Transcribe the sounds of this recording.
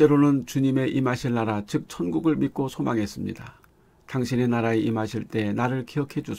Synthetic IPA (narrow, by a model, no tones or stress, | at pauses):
t͡ɕ͈e̞ɾonɯnt͡ɕuɲime̞ʔimɦaɕʰiɭnaɾat͡ɕɯk̚t͡ɕʰʌnɡuɡɯɭmit̚k͈osʰomaŋɦe̞s͈ɯmɲḭd̥a | taŋɕʰine̞naɾaeimɦaɕʰiɭt͈e̞naɾɯɭkiʌkʰe̞d͡ʑu